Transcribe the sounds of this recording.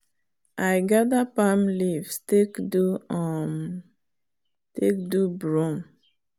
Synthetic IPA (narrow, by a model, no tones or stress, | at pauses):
ʔajɡadapamlivstekduɔm | tek̚dubɹũm